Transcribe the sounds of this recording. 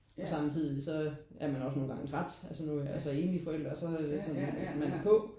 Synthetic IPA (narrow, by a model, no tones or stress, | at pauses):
ɒ̽sɑ̈mt͡sʰið̰ˠisɒ̽ | ʔæɐmænɒ̽s̬no̝ːn̩ɡ̥ɑ̈ŋət͡sʰʁad̥ælsənuæsəe̝ːnlifɒ̽el̰d̥ʁɐsɒ̽æd̥esɒ̽nmænæpʰɔ̽